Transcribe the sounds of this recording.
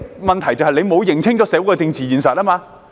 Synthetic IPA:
mɐ˨nt̪ʰɐ˨˩jt͡sɐ˨˧wɦɐ˨jle˨˧jmo˨˧wjɪ˨ŋt͡sʰɪ˥ŋt͡sɔː˨˥sɛː˨˥wkɔː˧t͡sɪ˧ŋt͡siː˨jiː˨˧nsɐ˨t̚laː˥maː˧

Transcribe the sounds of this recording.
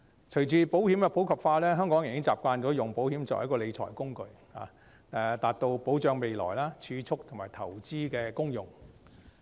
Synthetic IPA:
t͡ʃʰɵ˨˩ɥt͡siː˨˧po˨˥whiː˨˥mkɛ˧pʰo˨˥wkʰɐ˨˩p̚faː˧lɛː˥ɦœː˥ŋkɔː˨˥ŋji˨ŋkɪ˥ŋt͡saː˨p̚kʷaː˧nt͡ʃɔː˨˥jʊ˨˩ŋpo˨˥whiː˨˥mt͡sɐ̰˨hɐ˨˥kɔː˧le˨˧jt͡sʰɔ̰ː˨˩jkʊ˥ŋkɵ˧ɥ | ha̰ː˨ | ɛ˧t̪aː˨t̚t̪o˧wpo˨˥wt͡ʃœː˨˧ŋme˨˧jlɔ̰ː˨˩jlaː˥t͡ʃʰyː˨˧t͡ʃʰʊ˥k̚t̪ʰʊ˨˩ŋmaː˨˩jt̪ʰɐ˨˩wt͡siː˥kɛː˧kʊ˥ŋjʊ˨˩ŋ

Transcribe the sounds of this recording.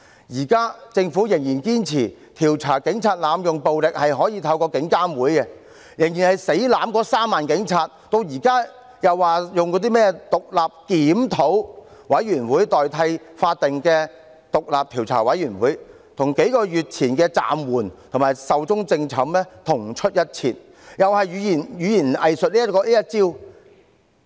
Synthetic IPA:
jiː˨˩kaː˥t͡sɪ˧ŋfu˨˥jɪ˨˩ŋjiː˨˩nkiː˥nt͡sʰiː˨˩ | t̪ʰiː˨˩wt͡sʰaː˨˩kɪ˨˥ŋt͡sʰaː˧t̚laː˨˧mjʊ˨ŋpo˨wlɪ˨k̚hɐ˨jɦɔː˨˥jiː˨˧t̪ʰɐ˨˧wkɔː˧kɪ˨˥ŋkaː˥mwuː˨˥jkɛ˧ | jɪ˨˩ŋjiː˨˩nhɐ˨jse˨˥jlaː˨˥mkɔː˧saː˥mːaː˨nkɪ˨˥ŋt͡sʰaː˧t̚t̪o˧wjiː˨˩kaː˥ | jɐ˨waː˨jʊ˨ŋkɔː˨˧t̪̬iː˥mɛː˥t̪ʊ˨k̚laː˨p̚kiː˨˥mt̪ʰo˨˥wwɐ˨˧˥jɥyː˨˩nwuː˨˥jt̪ɔː˨jt̪ʰɐ˧jfaː˧t̚t̪ɪ˨ŋkɛː˧ | t̪ʊ˨k̚laː˨p̚t̪ʰiː˨˩wt͡sʰa̰ː˨˩wɐ˨˧˥jyː˨˩nwuː˨˥j | t̪ʰʊ˨˩ŋke˨˥jkɔː˧jyː˨t̚t͡sʰiː˨˩nkɛː˧t͡sa̰ː˨mwuː˨˩nt̪ʰʊ˨˩maː˨˩jsɐ˨wt͡sʊ˥ŋt͡sɪ˧ŋt͡sʰɐ˨˥mlɛ˥t̪ʰʊ˨˩ŋt͡ʃʰɵ˥t̚jɐ˥t̚t͡sʰiː˨˩n | jɐ˨whɐ˨jjyː˨˧jiː˨˩njyː˨˧jiː˨˩nɐ˨jsɵ˨t̚liː˥jɐ˥t̚kɔː˧liː˥jɐ˥t̚t͡siː˥w

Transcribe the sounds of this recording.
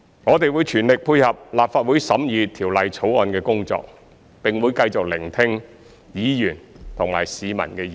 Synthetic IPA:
ŋɔː˨˧t̪e˨jwuː˨˧jt͡ʃʰyː˨˩nlɪ˨k̚pʰuː˧jhɐ˨p̚laː˨p̚faː˧t̚wu˨˥jsɐ˨˥mjyː˨˧t̪ʰiː˨˩wlɐ˨jt͡sʰo˨˥wɔː˨˧nkɛː˧kʊ˥ŋt͡sɔ̰ː˧k̚ | pɪ˨ŋwuː˨˧jkɐ˧jt͡sʊ˨k̚lɪ˨˩ŋt̪ʰɪ˧ŋ | jiː˨˧jyː˨˩nt̪ʰʊ˨˩ŋma̰ː˨˩jsiː˨˧mɐ̰˨˩nkɛː˧j

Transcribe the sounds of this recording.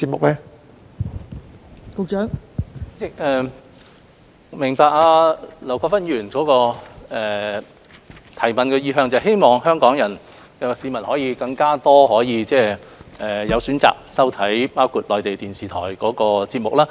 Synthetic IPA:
t͡si˧t̚mʊ˨k̚lɛ˥ | kʊ˨˧k̚t͡ʃœː˨˥ŋt͡sɛ˥˩ɛː˨˧ | mɪ˨˩ŋpaː˨˧k̚aː˧lɐ˨˩wkʰɔː˧˥fɐ˥njyː˨˩nkɔː˨˥kɔː˧ɛː˨ | t̪ʰɐ˨˩jmɐ˨nkɛː˧jiː˧ɦœː˧ŋt͡sɐ˨˧wɦe˥jmɔː˨ŋhœː˥ŋkɔː˨˥ŋjɐ˨˩n | kɐ˨˧siː˨˧mɐ˨˩nhɔː˨˥jiː˨˧kɐ˧ŋkaː˥t̪ɔː˥hɔː˨˥jiː˨˧t͡sɛː˥ʔɛː˨jɐ˨˧wsyː˨˥nt͡sa̰ː˨k̚sɐ˥wt̪ʰɐ˨˥jpaː˥wkʰuː˨˧t̚lɔː˨˧jt̪e˨˩jt̪iː˨˩nsiː˨t̪ʰɔː˨˩jkɔː˨˥kɔː˧t͡siː˧t̚mʊ˨k̚laː˥

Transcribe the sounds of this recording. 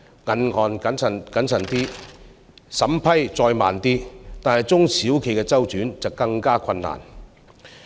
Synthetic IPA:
ŋɐ˨nhɔː˨nkɐ˨˥nsɐ˨˩nkɐ˨˥nsɐ˨˩nt̪iː˥ | sɐ˨˥mpʰɐ˥jt͡sɔː˧jma̰ː˨nt̪iː˥t̪aː˨nhɐ˨˩jt͡sʊ˥ŋsʰiː˨˥wkʰe˨˩jkɛː˧t͡sɐ˥wt͡ʃyː˨˥nt͡sɐ˨wkɐ˧ŋkaː˥kʰɐ˧nːa̰ː˨˩n

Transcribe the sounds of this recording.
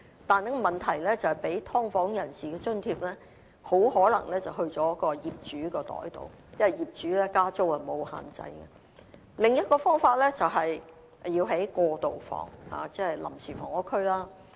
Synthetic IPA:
t̪aː˨nɛ˥kɔ˧mɐ˨nt̪ʰɐ˨˩jlɛː˥t͡sɐ˨˩hɐ˨jpe˨˥jt̪ʰɔː˥ŋfɔː˨˥ŋjɐ˨˩nsiː˨kɛː˧t͡ʃɵ˥nt̪ʰiː˧p̚lɛː˥ | ho˨˥whɔː˨˥lɐ˨˩ŋlɛː˥t͡sɐ˨wɦɵ˧ɥt͡sɔː˨˥jkːɔː˧jiː˨p̚t͡ʃyː˨˥kɔː˧t̪ɔ̰ː˨˥jt̪o̰˨w | jɐ˥ɐ˨˩jiː˨p̚t͡ʃyː˨˥lɛː˥kaː˥t͡so˥whɐ˨mo˨˧wha̰ː˨nt͡sɐ̰˧jkɛ̰˧ | lɪ˨ŋjɐ˥t̚kɔː˧fɔː˥ŋfaː˧t̚lɛː˥t͡sɐ˨˩wɦɐ˨j | jiː˧wɦe˨˥jkɔː˧t̪o˨wfɔ̰ː˨˩ŋha̰ː˨t͡sɛː˥hɐ˨jlɐ̰˨˩msʰiː˨˩fɔː˨˩ŋɔː˨˥kʰɵ˥ɥlaː˥

